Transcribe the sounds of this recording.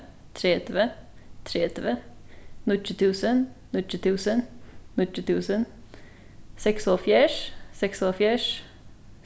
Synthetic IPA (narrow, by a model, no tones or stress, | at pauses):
t̪ʰɾeːt̪ʋət̪ʰɾeːt̪əʋə | nʊtːɪt̪ʰʉːsənnʏt̪ːɪt̪ʰʉːsənnʏt̪ɪt̪ʰʉːsən | sɛksoːfjæːʂsɛksoːfjæːʂ